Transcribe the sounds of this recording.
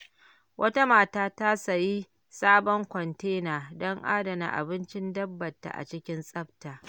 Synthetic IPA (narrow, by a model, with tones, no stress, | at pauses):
wʔɐ˦ta˦maː˨taː˦ta˦sa˨ji˦ | saː˦bɔ˦ŋkʷɔ˨nteː˦naː˨dɔ˦ŋʔa̰ː˦dɐ˨na̰˨ʔa̰˨bɪ˦nt͡ʃɪ˦ndɐ˦bːɐ˨tːa̰˨ʔa̰˨t͡ʃɪ˦kʲɪ˦nsʼɐ˦ɸtaː˨